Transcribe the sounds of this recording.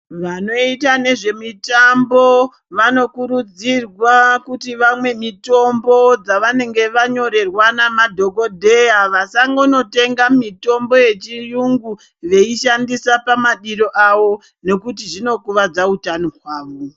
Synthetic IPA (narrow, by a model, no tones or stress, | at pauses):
ʋano̞itane̞ʐe̞mitambo̞ | ʋano̞kuɾud͡zirwakutiʋamwe̞mito̞mbo̞d͡zaʋane̞ŋɡe̞ʋaɲo̞ɾe̞rwanamadʱo̞ko̞dʱe̞jaʋasaŋɡo̞no̞te̞ŋɡamito̞mbo̞je̞t͡ʃijuŋɡu | ʋe̞iʃandisapamaɗiɾo̞ʔaʋo̞ | ne̞kutiʐino̞kuʋad͡zautanoɦwaːʋo